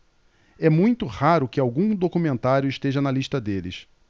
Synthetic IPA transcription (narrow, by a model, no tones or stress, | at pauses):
ɛmũj̃t̪ʊhaɾʊkɪawɡũd̪okumẽnt̪aɾjʊiʃt̪eʒɐnɐliʃt̪ɐd̪elɪ̰s